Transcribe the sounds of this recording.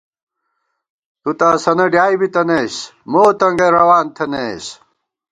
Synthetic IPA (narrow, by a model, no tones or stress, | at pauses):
t̪ut̪aːsɐnɐɖjaːjbit̪ɐneːsmoːt̪ɐŋɡeɾɐwaːnt̪ʰɐneːs